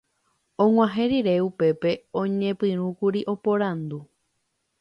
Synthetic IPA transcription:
õŋwãɦẽɾiɾe̞upe̞pe̞õ̞ɲẽpɨ̃ɾ̃ũkuɾiʔo̞po̞ɾãnd̪u

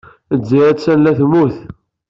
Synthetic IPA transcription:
əd͡zːiæsænlæθmuθ

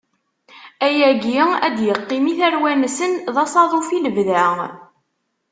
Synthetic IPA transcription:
æjæɡəæd̪jəqːimiθæɾwænsənðɑsˤɑðˤofiləvðæ

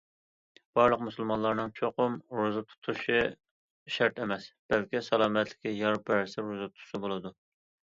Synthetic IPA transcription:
b̥ɑɾlˠəqmusɨlˠmɑnlˠɑɾnɨŋt͡ʃʰoqʊmɾuzɨt̪ʰu̥t̪ʰuʃi | ʃɛɾt̪ʰɛmɛsb̥ɛlkʲisɑlˠɑːmɛt̪ʰlɪ̥kʲijɑɾpːæɾsɪɾɾuzɨt̪ʰu̥sɨbolˠɨd̪u

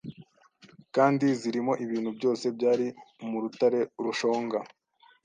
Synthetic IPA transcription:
kaːndiziɾimo̞ʔiβiːn̤hubɟo̞ːse̞bɟaːɾimuɾutaɾe̞ɾuʃo̞ːŋɡa

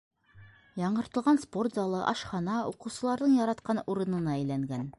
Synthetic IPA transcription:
jɑɴɢɤ̆ɾt̪ɤ̆lˠʁɑnsport̪zɑlˠɤʔɑ̰ʃχɑnɑuqɤ̆wsɤ̆lˠɑɾd̪ɤɴjɒɾɑt̪qɑnuɾɤ̆nɤ̆nɑæjlæŋɡæn

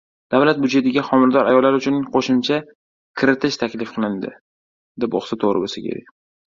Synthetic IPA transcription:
d̪̥avlat̪̚bʊd͡ʒe̞t̪ɪɡʲaχɒmɪɾd̪ɒɾa̰jɒlːaɾʊt͡ʃʰʊnqʰoʃʊmt͡ʃʰa | kʲʰɪɾɪt̪ʰɪʃt̪ʰakʲlɪfqʰɨlˠɪnd̪ɪ̰ | d̪ɪpo̰χsɪt̪ʰoʁɾɪ̰bosɪkʲʰḛɾḛj

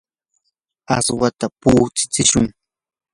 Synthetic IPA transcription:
aswat̪apuːt͡sɪ̥t͡sɪʃʊŋ

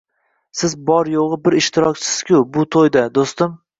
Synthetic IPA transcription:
sɪzbɒɾjoʁɨbɪɾɪʃt̪ʰɪɾɒkʲt͡ʃʰɪ̥sɪz̥kʲʰʊbʊt̪ʰojd̪ad̪ost̪ɪm

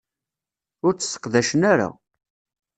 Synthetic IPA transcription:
ʊɾt͡sːə̥sːə̥qðæʃənæɾa̰

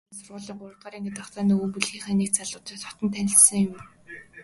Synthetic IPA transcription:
sʊrʁʊːɮiːŋɢʊɾ̆t̪ɢaːɾiːŋɡet̪ɔχt͡s̪aːniːumpuɮxiːχaniːkt͡saɮʊːt̪ĭkt̪ɔ̥t̪ɞ̆nt̪ʰænʲɪ̆ɬsə̆ŋjʊm

